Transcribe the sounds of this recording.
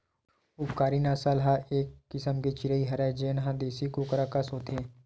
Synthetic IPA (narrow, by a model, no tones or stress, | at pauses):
upkaːɾinaːsaːlɦaeːkːɪsəmket͡ʃɪɾəiɦɐɾaːd͡ʒeːnɦãd̪eːsikoːkəɾaːkasɦoːt̪eː